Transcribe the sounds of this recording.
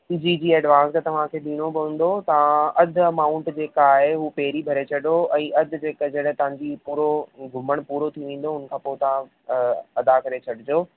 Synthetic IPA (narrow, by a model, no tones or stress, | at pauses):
iːd͡ʑiːd͡ʑiːɛːɖʋãːst̪ɐʋ̤ãkʰeːɗ̪iːɽobɪʋə̃ːn̆d̪ot̪ɐʋ̤ãɐd̪ʱɐmaːʊ̃ɳʈd͡ʑeːkaːɦeɦuːpeɦɾibʱɐɾet͡ɕʰɐɗoɛ̃ːʔɐd̪̆ʱd͡ʑeːkd͡ʑɐɽə̃ɦt̪ɐʋ̤ãɲd͡ʑipuːɾoɡʱʊməɽ̃puːɾot̪ʰiʋẽːn̆d̪oʊnə̆kʰãːpoːt̪ɐʋã | ɐd̪akɐɾet͡ɕʰɐɽɪd͡ʑoː